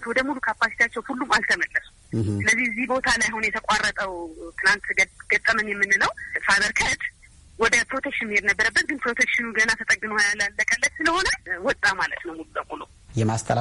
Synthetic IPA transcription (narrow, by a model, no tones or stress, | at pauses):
t̪wɔd̪əmulukʰapasi̥t̪ʰat͡ʃːɛwhulːumalt̪ʰəməlːəsu̥sɨləzːihɨzːihbo̞t̪ʰalajahunjɛt̪ʰəkʷʼarːət̪ʼəwt̪ʰɨlant̪ɡ̥ət̪ʼːəmənjɛmːɨnːɨnəwfaβəɾkʰət̪ | wɔd̪əpɾo̞t̪ʰekʃɪnmɨhed̪nəbːəɾəbːət̪̚ɡɨnpɾo̞t̪ʰekʃɪnuɡənat̪ʰət̪ʼəɡːɨmojalːalːəkʼəlːət̪sɨləho̞nəwɔt̪ʼːamalə̰t̪nəwmulubəmulu | jɛmast̪ʰə